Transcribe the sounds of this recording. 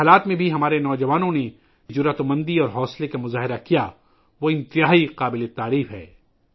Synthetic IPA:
aːlaːt̪mẽbʱiɦɐmaːɾenɔːd͡ʒɐʋaːnõne | d͡ʒʊɾat̪omɐ̃nd̪iɔːɾɦɔːslekamʊzaːɦɪɾakija | ʋoɪ̃nt̪ɪjaːiqaːbɪlet̪aːɾiːfɦɛ̰ː

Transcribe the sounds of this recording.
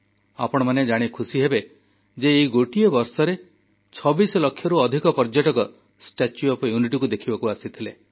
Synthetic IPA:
a̰pɔɽ̃ɔmaned͡ʒaɽ̃ikʰusiɦebe | d͡ʒeːiɡoʈiɔbɔɾsɔɾe | t͡ʃʰɔbisɔlɔkʰːjɔɾuɔd̪ʱikɔpɔɾd͡ʒɔʈɔkɔ | sʈat͡ʃjuɔpɔjuniʈikud̪ekʰibɔkuasit̪ʰile

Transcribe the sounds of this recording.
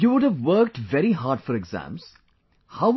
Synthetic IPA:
juʋʊɖæʋːəɾk̚ʈʋɛɾiɦaːɖfɔɾɪɡzæ̰̃ːmz̥ | haʊ

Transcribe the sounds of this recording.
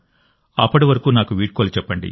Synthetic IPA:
ɐpːɐʈiʋɐɾɐkuːnaːkuʋiːʈ̚koːlut͡ʃɛpːɐɳɖḭ

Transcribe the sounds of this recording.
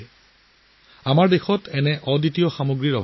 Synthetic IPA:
amaɹdexɔtɛnɛʔɔditiɔxamoɡɹiɹɔbʱ

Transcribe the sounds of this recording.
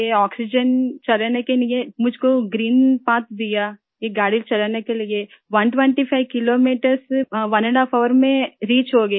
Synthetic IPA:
jeɔːksɪd͡ʒənt͡ʃɐlanekelɪjemʊd͡ʒʱkoɡɾiːnpãːt̪d̪ɪja | jeɡaːɽilt͡ʃɐlaːnekelie | ʋɐnʈʋẽɳʈipʰaɪʋkɪloːmiːʈəɾsʋɐnəɳɖaːfʰɔːʋəɾmẽɾiːt͡ʃɦoːɡɐ

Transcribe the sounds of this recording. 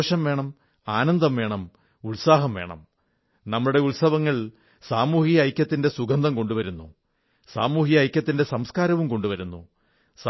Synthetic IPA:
ʂɐmʋe̞ːɳɐm | aːnɐnd̪ɐmʋe̞ːɳɐm | uɭsaːɦɐmʋe̞ːɳɐ̰m | nɐmːɐɭuɽe̞ulsɐʋɐŋːɐɭ | saːmuːhijɐɐjkʲːɐt̪ːinde̞suɡɐnd̪ɐmko̞ɳɖuʋɐɾunːṵ | saːmuːhijɐɐjkʲːɐt̪ːinde̞sɐmskaːɾɐʋumko̞ɳɖuʋɐɾunːu | s

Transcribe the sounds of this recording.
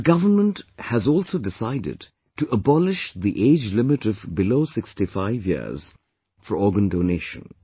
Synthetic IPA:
əɡʌvənmə̃nʈhæzɔːlsoʊdɪsaɪdɪ̰d | ʈuʔəbɔlɪʃd̪iʔeːd͡ʒlɪmɪʈɔvbɪloːsɪkstifaɪvjḭz̥ | fəɾɔːɡə̃ndoːneːʃə̰̃n

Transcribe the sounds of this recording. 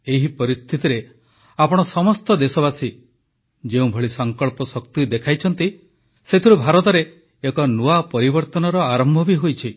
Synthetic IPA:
eɦipɔɾist̪ʰit̪iɾe | apɔɽ̃ɔsɔmɔst̪ɔd̪esɔβasi | d͡ʒeũbʱɔɭisɔŋkɔɭpɔsɔkt̪id̪ekʰajt͡ʃʰɔnt̪i | set̪ʰiɾubʱaɾɔt̪ɔɾeː | kɔnuapɔɾibɔɾt̪ɔnɔɾɔaɾɔmbʱɔbiɦojt͡ʃʰi

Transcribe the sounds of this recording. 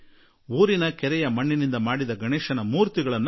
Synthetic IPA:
uːɾinɐkɛɾɛjɐmɐɳːinind̪ɐmaːɽid̪ɐɡʱɐɳɛːʃɐnɐmuːɾt̪iɡɐɭɐnː

